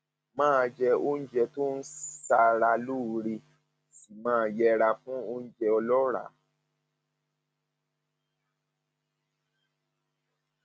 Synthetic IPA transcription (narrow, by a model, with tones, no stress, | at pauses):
mãː˦˧d͡ʒɛ˧o˦n̩˦d͡ʒɛ˧to˦n̩˦sa˧ɾa˧lu˦˨ɾi˧ | si˨mãː˦˧jɛ˧ɾa˧fũ˦o˦n̩˦d͡ʒɛ˧ɔ˧lɔ˦ɾa̰˨˦